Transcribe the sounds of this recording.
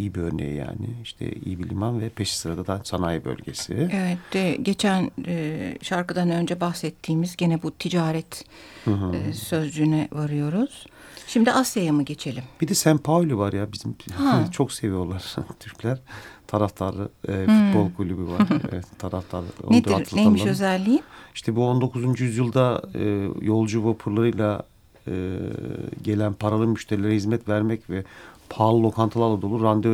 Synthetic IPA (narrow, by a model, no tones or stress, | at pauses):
ijibiøɾnḛjḭja̰ːnɪiʃt̪ʰɛ̰ḭjibilʲimanvɛpʰeʃi̥sɯɾad̪ad̪asanajbø̰lʲɟḛsievɛt̪d̪ɛɟe̞t͡ʃʰænː | ʃaɾkɯd̪anø̞nd͡ʒɛbaxsɛt̪ʰːiːmizɟenɛbut̪ʰid͡ʒaːɾɛt̪hɯ̃ɦsø̞zlyːnɛvaɾɯjo̞ɾuz̥ʃimd̪iʔasjajamɯɟe̞t͡ʃʰe̞lʲimb̥id̪ɛsæmpʰawlʲivaɾjabizimat͡ʃʰo̞kse̞vijo̞lˠaɾt̪ʰyɾcʰlʲæɾ̥t̪ʰaɾaft̪ʰaɾlˠɯfut̪̚bolˠkʰulʲybiva̰ɾɛ̰ɛt̪ʰːaɾaft̪ʰaɾo̰ned̪aɾʰɯlˠnemiʃøzælʲːijiʃt̪ʰɛbuo̞nd̪o̞kʰuzund͡ʒyjyzjɯlˠd̪a̰ː | jo̞lˠd͡ʒuvapʰuɾlˠaɾɯjlˠa | ɯ̰ːɟe̞lʲænpʰaɾalˠɯmyʃt̪ʰeɾilʲeɾɛhizmɛt̪væɾmɛcvɛpʰaːlˠɯlˠo̞kʰant̪ʰɯlˠaɾlˠad̪o̞lˠuɾːand̪ø